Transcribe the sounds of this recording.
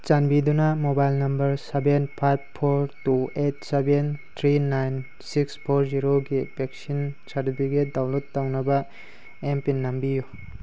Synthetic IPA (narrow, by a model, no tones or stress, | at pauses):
t͡ʃanbidunamobajlnɐmbɐɾsebenpʰajpʰːoɾtuet̚sebent̪ʰɾinajn | sikspʰoɾziɾoɡipek̚sinsaɾtipʰiɡedawlutːawnɐbɐ | empinːambiju